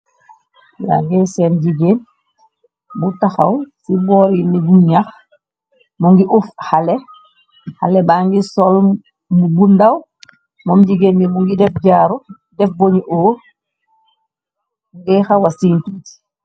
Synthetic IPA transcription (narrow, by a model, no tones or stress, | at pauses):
ja̰ŋɡɛsɛnɟiɡen | butaxa̰wsibɔːɾinibuɲax | mɔŋɡiʔufhalɛ | ha̰lɛbaŋɡisɔl | mubundaw | mɔmɟiɡenbimuŋɡidɛfɟaːɾu | dɛfboɲiʔoː | ɡɛxawasiːntit